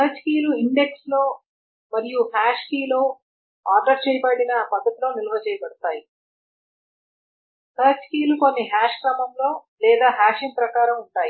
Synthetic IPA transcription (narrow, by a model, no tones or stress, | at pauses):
k̪ɐɐt͡ʃkiːluiɳɖe̞kslo̞ː | mɐɾijuhaːʂkiːloː | aːɾʈɐɾt͡ʃɛːjɐbɐɽinɐːpɐd̪ːɐt̪ilo̞ːnilɐʋɐt͡ʃɛːjɐbɐɽut̪aːji | k̪ɐɾɐt͡ʃkiːlukonːiɦaːʂkɾɐmɐmlo̞ː | lɛːd̪aːɦaːʃimpɾɐkaːɾɐmuɳʈaːji